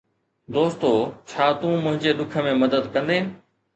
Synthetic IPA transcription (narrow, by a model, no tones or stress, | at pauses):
d̪oːst̪oːt͡ɕʰaːt̪ũːmʊ̃ɦɪ̃ɲd͡ʑeɗ̪ʊkʰə̆mẽmɐd̪əd̪kɐ̃nd̪eːnɪ̆